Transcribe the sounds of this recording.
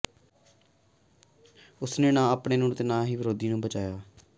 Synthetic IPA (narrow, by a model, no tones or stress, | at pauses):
ʊsneːnãːaːpɽeːnũːɳt̪eːnãːɦiːʋɪɾoːd̪iːnũːbət͡ʃaːjaː